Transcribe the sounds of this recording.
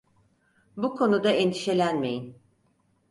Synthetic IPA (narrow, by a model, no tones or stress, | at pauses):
bukʰo̞nud̪aɛnd̪iʃe̞lʲænme̞̰jin